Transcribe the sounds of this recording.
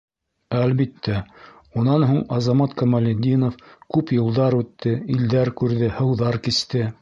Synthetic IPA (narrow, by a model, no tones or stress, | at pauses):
ælβit̪ːæ | unɑnɦuɴɑzɑmɑt̪kɐmalʲed̪ʲinofkʉpjŏlˠd̪ɑɾʉt̪ːɘild̪æɾkʉɾðɘhɤ̆wðɑɾkist̪ɘ